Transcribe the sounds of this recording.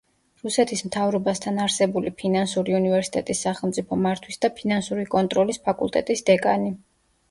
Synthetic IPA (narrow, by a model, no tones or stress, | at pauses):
ɾusɛt̪ʰismt̪ʰavɾɔbast̪ʰanaɾsɛbulipʰinansuɾiunivɛɾsi̥t̪ʼɛt̪ʼisːaχɛlˠmt̪sʼipʰɔmaɾt̪ʰwisd̪apʰinansuɾikʼɔnt̪ʼɾɔlispʰakʼṵlˠt̪ʼɛt̪ʼisd̪ɛkʼani